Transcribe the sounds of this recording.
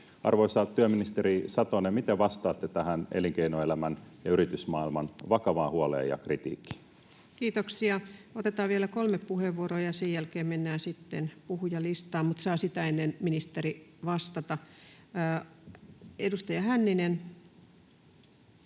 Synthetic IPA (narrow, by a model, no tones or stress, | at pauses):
ɑ̰rʋoisɑt̪yøminist̪eɾisɑt̪onemit̪eʋʋɑst̪ɑːt̪ːet̪æhæneliŋkeinoelæmænjɑyɾit̪ysmɑilmɑnʋɑkɑʋɑːhuɑlḛːjɑ̰krit̪ḭːkːi̥ | kiːt̪oksiɑot̪et̪ɑːʋielækolmeppuheʋːuoroːjɑsejjælkeːmmenːæːsit̪ːenpuhujɑlist̪ɑːmmut̪sɑːsit̪æenːenminist̪eriʋɑst̪ɑt̪ɑ | edust̪ɑjɑhænːinen